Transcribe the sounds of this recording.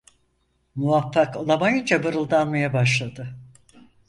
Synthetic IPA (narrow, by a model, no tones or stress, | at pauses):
muvafːakolˠamajɯnd͡ʒabɯɾɯlˠd̪anmajabaʃ̬lˠad̪ɯ